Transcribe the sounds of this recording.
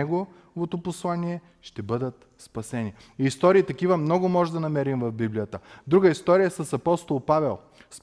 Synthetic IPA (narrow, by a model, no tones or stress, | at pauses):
ɛɡo | vot̪oposlˠaniɛ | ʃt̪ɛbɤd̪ət̪ | spɐsɛni | iːst̪ɔɾiːt̪ɐk̟ivɐmnɔɡʊmɔʒɛd̪ɐnɐmɛɾimvɐvbiblijət̪əd̪ɾuɡəist̪ɔɾijəsɐsɐpɔst̪olˠpavɛlˠ | s